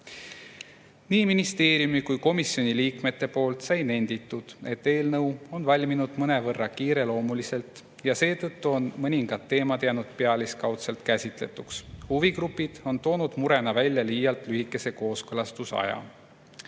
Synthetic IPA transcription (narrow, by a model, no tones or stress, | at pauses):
niːminist̪e̞ːɾijumikujko̞misjo̞nʲiliːkme̞t̪ːe̞po̞ːlt̪sɑjne̞nʲd̪̥it̪ːˑud̪̥e̞t̪ːe̞ːlnɤwo̞nvɑlʲminud̪̥mɤne̞vɤrːɑkiːɾe̞lo̞ːmulise̞lt̪ˑ | jɑse̞ːt̪ɤt̪ːuo̞nmɤnʲiŋɡ̥ɑd̪ːe̞ːmɑt̪jæːnud̪̥̚pe̞ɑliskɑwt̪se̞lt̪kæsʲit̪le̞̰t̪ːˑukshuviɡɾupːˑid̪̥o̞nt̪o̞ːnud̪̥muɾe̞nɑvælʲjɑliːjːɑlt̪lyhikːˑe̞se̞ko̞ːskɤlɑst̪usɑ̰jɑ̰